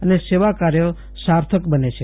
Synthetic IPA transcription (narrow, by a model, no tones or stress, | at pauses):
əneseʋakaɾjo | saɾt̪ʰəkbənet͡ʃʰe